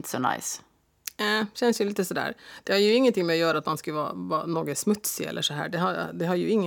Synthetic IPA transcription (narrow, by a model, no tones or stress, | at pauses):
t̪sɔna̰ɪs | çɛnːəsjʊlɪt̪ːəsɔd̪æ̰ːɾd̪̥ɛhɑɾjʊɪŋːənt̪ɪŋmɛɔjøːɾəɑt̪mɑnskɑʋɑ̰ːʋɑnoːɡəsmʉt̪ːsɪɛ̰lːəʂɔɦæ̰ːɖɛhɑd̪ɛɦɑɾjʊɪŋːə